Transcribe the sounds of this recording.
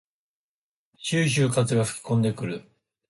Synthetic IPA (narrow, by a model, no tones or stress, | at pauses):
ɕɨːɕ̬ɨːkat͡sɨɡaɸɯ̟̥kʲi̥kõ̞nd̪e̞kɯ̟ɾɯ̟